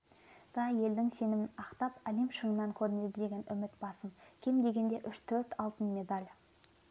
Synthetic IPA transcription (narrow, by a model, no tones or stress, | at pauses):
d̪̥ɑje̞ld̪ɪŋse̞nɪmɪnɑqt̪ɑpælemʃəɴnɑŋkʲʰɵɾɪne̞d̪ɪd̪e̞ɡʲe̞nʔʏmɪt̪bɑsəmkʲʰe̞md̪e̞ɡʲe̞nd̪e̞ʔʏʃt̪ʰɵɾt̪ɑlˠt̪ənme̞d̪alʲ